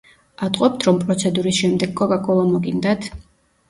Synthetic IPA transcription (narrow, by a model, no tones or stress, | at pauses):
at̪ʼqʼɔp̚t̪ʰɾɔmpʼɾɔt̪sʰɛd̪uɾisʃɛmd̪ɛɡkʼːɔkʼakʼɔlˠamɔɡind̪at̪ʰ